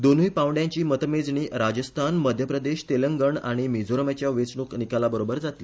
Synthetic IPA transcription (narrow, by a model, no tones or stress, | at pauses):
d̪on̤ujpãʋɖjãɲt͡ɕiːmət̪med͡zɳiːɾad͡ʑəst̪ʰanməd̪ʱjəpɾəd̪eɕt̪eləŋɡəɳaɽ̃imid͡zoɾəmat͡ɕjaʋet͡sɳuːknikalabəɾobəɾd͡zat̪li